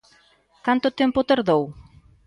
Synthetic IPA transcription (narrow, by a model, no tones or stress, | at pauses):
kant̪ʊt̪ɛmpʊt̪aɾðow